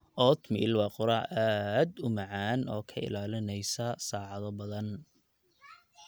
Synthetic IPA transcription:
ʔɔːt̪mɪɪlwɑːqʊɾɑʕʔaːd̪ʊmɑʕaːnʔɔːkʰɐɪ̰laːlɪnɛjsɐsaːʕɑðɔbɐðɐn

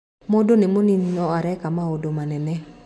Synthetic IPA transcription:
modonemoninɔaɾɛkamaodomanɛnɛ

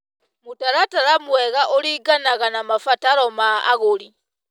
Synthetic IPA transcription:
mutaɾatalamweɣaʔoliɡanaɣanamafataɾoma̰ːɣoli

